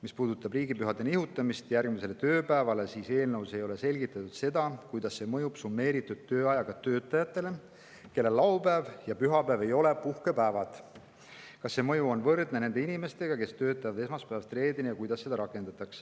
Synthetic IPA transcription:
mispuːd̪ut̪ːˑɑbriːɡipyɦɑd̪e̞nihut̪ːˑɑmist̪jærɡ̥mise̞le̞t̪ø̞ːpæevɑle̞siːse̞ːlnɤwse̞jo̞le̞se̞lʲɡit̪ːˑɑt̪ːud̪̥se̞d̪̥ɑkujd̪̥ɑsːe̞mɤjupsumːe̞ːɾit̪ːud̪̥̚t̪ːø̞ːɑjɑɡ̥ɑt̪ø̞ːt̪ːˑɑjɑt̪ːˑe̞le | ke̞lːelːɑwpæːvjɑpyɦɑpæːve̞jo̞le̞puhke̞pæːvɑt̪ | kɑsːe̞mɤ̞juo̞nvɤrd̪̥nene̞nd̪e̞inime̞st̪e̞ɡ̥ɑke̞st̪ø̞ːt̪ːˑɑjvɑd̪e̞smɑspæːvɑst̪re̞ːd̪enijɑkujd̪ɑsːe̞d̪̥ɑɾɑkːˑend̪̥ɑt̪ːˑɑks

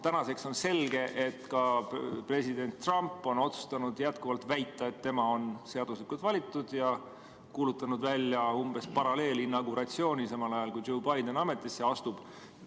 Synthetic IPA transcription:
t̪ænɑse̞kso̞nse̞lɡe̞ʔe̞t̪ːkɑpre̞sid̪e̞nt̪ːrɑmpːˑo̞no̞t̪su̥st̪ɑnud̪̥jæt̪kuvɑlt̪væjt̪ːˑɑet̪ːe̞mɑo̞nse̞ɑd̪uslikːult̪vɑlʲit̪ːˑud̪̥jɑ | kuːlut̪ːˑɑnud̪vælʲːjɑumb̥e̞spɑɾɑle̞ːlinːɑɡuɾɑt̪sio̞ːnʲisɑmɑlɑjɑlkujowbɑjd̪e̞nɑme̞t̪ːˑisːe̞ɑst̪ub̥

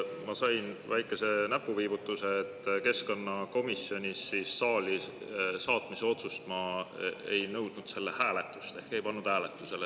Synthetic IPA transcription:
mɑsɑjnvæjkːˑe̞se̞næpːˑuviːbut̪ːˑuse̞ːt̪ːke̞sko̞nːɑko̞misjo̞nʲisːiːsːɑːlʲisɑːt̪miseo̞t̪sust̪mɑḛjnɤ̞wd̪̥nud̪̥se̞lːehæːle̞t̪ːˑu̥st̪e̞hke̞jpɑnːud̪̥hæːle̞t̪ːˑuse̞le

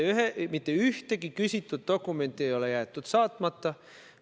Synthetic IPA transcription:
yɦemit̪ːeyht̪e̞ɡikysʲit̪ːud̪̥̚d̪̥o̞kːˑume̞nt̪ːˑiejo̞lejæːt̪ːˑud̪̥sɑːt̪ːˑmɑt̪ːɑ

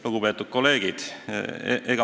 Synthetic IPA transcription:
luɡupe̞ːt̪ːˑud̪̥̚ko̞le̞ːɡ̥id̪̥̰ | ʔeɡ̥ɑ

